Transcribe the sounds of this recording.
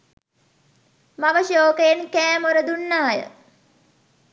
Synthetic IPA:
maʋəʃoːkəjenkæːmoɾəd̪unːaɦajə̰

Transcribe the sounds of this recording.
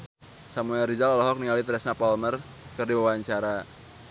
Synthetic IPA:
samuɛlrid͡ʒalalɔɦɔk̚niŋalit̪ɾɛsnapɔlmər | kɨrdiwawaɲt͡ʃaɾa

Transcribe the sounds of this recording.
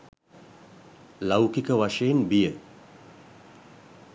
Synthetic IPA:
lawkikəʋaʂejenbijə

